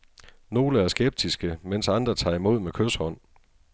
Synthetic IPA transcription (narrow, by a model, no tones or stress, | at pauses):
no̝ːləæɐsɡ̥eb̥̚d̥isɡ̥əmen̰sɑ̈nd̥ʁɐt͡sʰɑ̰̈ːimo̝ð̞̰ˠmekʰøshɒ̽n̰